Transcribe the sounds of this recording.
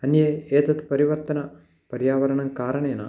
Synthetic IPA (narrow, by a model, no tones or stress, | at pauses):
ɐnjeːeːt̪ɐt̪pɐɾiʋɐɾt̪ɐnɐ | pɐɾjaːʋɐɾɐɳɐŋkaːɾɐɳeːna̰